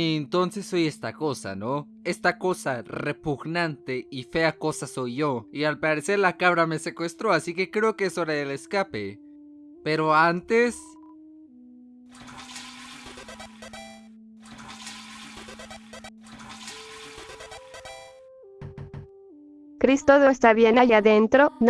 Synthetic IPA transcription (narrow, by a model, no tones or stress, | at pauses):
nt̪o̞nse̞sːo̞je̞st̪ako̞sa̰no̞ | e̞st̪ako̞sarepuɣnant̪e̞ife̞ako̞saso̞jʝo̞ialpaɾe̞se̞ɾlakaβɾame̞se̞kwe̞st̪ɾo̞asike̞kɾe̞okeeso̞ɾaðeleskapḛ | pe̞ɾo̞ant̪e̞s | kɾist̪oðoest̪aβjenaʝaðent̪ɾon